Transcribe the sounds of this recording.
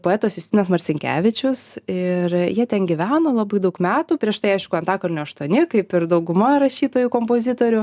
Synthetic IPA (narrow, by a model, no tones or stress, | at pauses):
poːɛːt̪oːsjʊst̪ʲɪnɛsmɐsʲɪŋʲkʲæ̰ːʋʲɪt͡ʃʲʊsɪrjiɛt̪ʲɛnɡʲiʋʲæːnoːlˠɑbɐɪd̪ɐʊkmʲæːt̪uːpʲɾʲiɛʃt̪ɐɪɐɪʃkʊɐnt̪ɑːkornʲʊɐʃt̪uɔnʲɪkɐɪpɪɾd̪ɐʊɡʊmɐɾɐʃʲiːt̪oːjukoːmpoːzʲɪt̪oːɾʲʊ